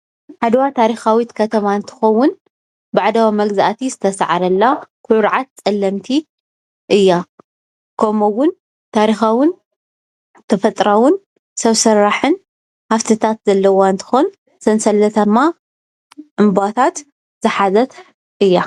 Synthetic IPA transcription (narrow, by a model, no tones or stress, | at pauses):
ħad̪wat̪ʰaɾixawit̪kʰɐt̪ʰɐmaɨnt̪ʰɨ̥xɐwːʊn | baʕd̪awamɐɡzaʔt̪ʰizɨt̪ʰɐsʕaɾɐlːakʰʊʕʊɾʕat̪̚t͡sʼɐlːɐmt̪ʰi | ʔɨjːa | kʰɐmowʊn | t̪ʰaɾixawʊn | t̪ʰɐfɐt̪ʼɾawʊn | sɐβsɐɾːaħɨn | haft̪ʰɨt̪ʰat̪zɐlːɐwaɨnt̪ʰɨ̥xon | sɐnsɐlːɐt̪ʰɐmːa | ʔɨmbat̪ʰat̪ | z̥ɨħazɐt̪ʰ | ʔɨjːa